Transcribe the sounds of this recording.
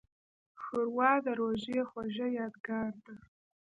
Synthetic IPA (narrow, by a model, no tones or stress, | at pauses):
xɨrwaːdaɾwaʒiχʷaʒajaːdɡaːrtʼa